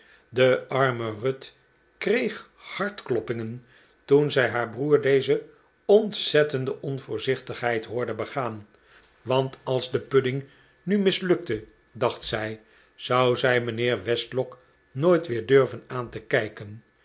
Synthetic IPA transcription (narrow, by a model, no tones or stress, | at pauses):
dəʔɑɹmərøt | krejχ | hɑɹtklɔpɪŋən | tunzɛjɦaːɹbruːɹdejzə | ɔnsɛtəndəʔɔnvʊːɹzɪχtəχɦɛjtɦʊːɹdəbəχaːn | ʋɑntɑlˠzdəpødɪŋ | nymɪslɵk̚tə | dɑχtsɛj | z̥ʌwzɛjmənɪːɹʋɛstlɔk | noːjtʋɪːɹdøɹvənaːntəkɛjkən